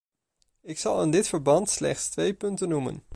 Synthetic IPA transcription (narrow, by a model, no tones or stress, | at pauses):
ɪksɑlˠɪndɪtfəɹbɑntslɛ̰χtstʋejpɵntənumə̰n